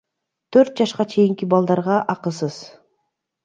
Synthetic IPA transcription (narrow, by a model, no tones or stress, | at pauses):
t̪ʰøɾt̪̚d͡ʒɑʃqɑt͡ʃʰe̞jiŋkibɑlˠd̪ɑɾʁɑʔɑqɯsɯz̥